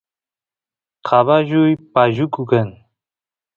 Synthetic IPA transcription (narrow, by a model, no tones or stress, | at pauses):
qʰaβaʒujpaʒukukən